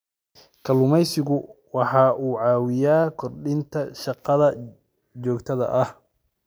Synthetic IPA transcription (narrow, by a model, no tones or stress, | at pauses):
kʰɐlʊmɛjsɪɣʊwɑħɑːʔuːʕɑːwɪjaːkʰɔrɖɪnt̪ʰɐʃɑqɑðɐ | t͡ʃɔːɡt̪ʰɐðɐ̰ʔɐh